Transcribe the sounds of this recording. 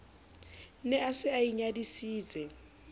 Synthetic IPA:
nɛasɪaiɲadisiːt͡sʼɛ

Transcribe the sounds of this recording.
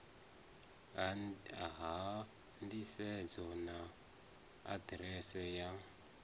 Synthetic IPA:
aɦa | ndisɛd͡zɔna | a̰dɾɛsɛja

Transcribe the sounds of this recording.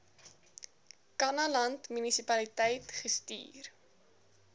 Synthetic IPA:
kɐnɐlɐntmynisipɐlitɛjtχəstḭːr

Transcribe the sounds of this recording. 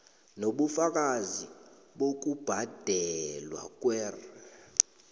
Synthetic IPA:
noɓufak̬ʼazi | ɓok̬ub̥ʱad̥ʱɛlwa̰k̬ʼwɛːrɛ

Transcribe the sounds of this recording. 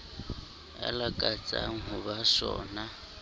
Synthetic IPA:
a̰lakʼat͡sʼa̰ŋ̩ɦʊbasɔ̰ːna

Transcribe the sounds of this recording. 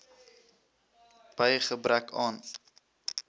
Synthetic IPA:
b̥əjχəbɾækɑːn

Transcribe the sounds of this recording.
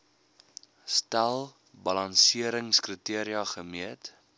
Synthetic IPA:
stælˠ | bɐlɐnsiəɾəŋskritiəɾiɐχəmiət

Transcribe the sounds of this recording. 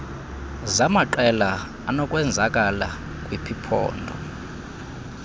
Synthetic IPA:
zamaǃɛlaː | nɔkʼwɛnd͡zʱakʼala | kʼwipʰipʰɔ̰ːndʱɔ̰

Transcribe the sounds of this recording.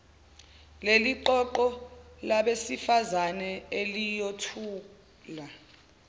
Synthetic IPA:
leliǃɔǃɔlaɓesifazanɛelijotʰuː | la

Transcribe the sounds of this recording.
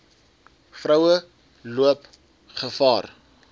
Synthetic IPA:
frəwə | luəp | χəfɑːr

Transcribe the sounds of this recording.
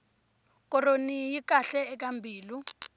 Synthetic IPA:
k̬ʼɔronijik̬ʼaɬɛːk̬ambʱiːlu

